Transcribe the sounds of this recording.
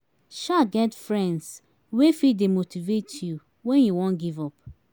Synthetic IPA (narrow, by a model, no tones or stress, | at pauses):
ʃaɡɛtfɹɛ̃nds | wefidemotivetʰju | wɛ̃njuwɔ̃nɡivɔp